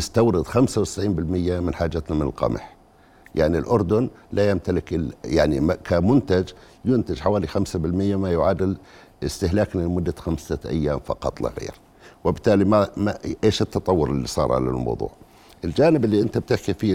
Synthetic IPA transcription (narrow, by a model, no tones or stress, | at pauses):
jɪst̪awɾɪd̪xamsawt̪ɪ̥sʕiːnbɪlmɪjːamɪnħaːd͡ʒːat̪namɪnɪ̰lqɑ̰m̰ħ | jaʕnilʔʊɾd̪ʊnlajamt̪alɪkjaʕnimkʰamʊnt̪ad͡ʒ | jʊnt̪ad͡ʒħawaːlixamsabɪlmɪjːamajʊʕaːd̪ɪl | ɪst̪ɪhlaːknalmʊd̪ːaxamsaʔa̰jːaːmfɑ̰qɑ̰t̪ˤlɪ̰ɣḛːɾ | wɪbɪt̪ːaːlimamaʔeːʃɪt̪ːɑt̪ˤɑwːʊɾɪlːḭsˤɑ̰ːɾˤʕa̰la̰lmɑ̰wðˤṵːʕ | ʔɪld͡ʒaːnɪbɪlːiʔɪnt̪ab̚t̪ɪħkifi